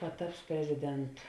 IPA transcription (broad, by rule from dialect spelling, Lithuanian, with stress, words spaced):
pɐˈtɐps pʲrʲɛzʲɪˈdʲɛntʊ